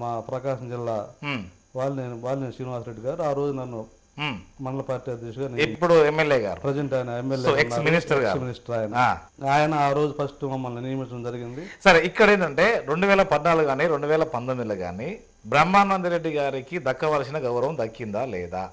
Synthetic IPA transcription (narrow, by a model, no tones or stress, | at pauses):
maːpɾɐːkaːʂɐmd͡ʒilːaː | ʋaːɭːniʋaːlniʂɾiːniʋaːsɾeɖːiɡaːɾuaːɾo̞ːd͡ʒunɐnːuː | mɐnɐlɐpaːɾʈiːɐd̪jɛkʂɐɡaːneippːuɽuemːeljɛːɡa̰ːɾupɾɐd͡ʒɐɳʈaːjɐnɐemːejoeknːaːminisʈɐɾɡaːɾsuminisʈɐɾaːjɐnɐaː | aːjɐnɐaːɾo̞ːd͡ʒupʰɐsʈumɐmːɐlninijɐmiʈnɐmd͡ʒɐɾiɡind̪isɐɾikːɐɽe̞ːnɐɳʈe̞ːɾe̞ɳɖuʋɛːlɐpɐd̪naːluɡuɡaːniɾe̞ɳɖuʋɛːlɐpɐnt̪omid̪ilɐɡa̰ːni | bɾɐmːaːnɐːnd̪iɾeɖːiɡaːɾikid̪ɐkːɐʋɐɾsinɐɡɐwɾɐʋɐmd̪ɐkːind̪aːlɛ̰ːd̪a̰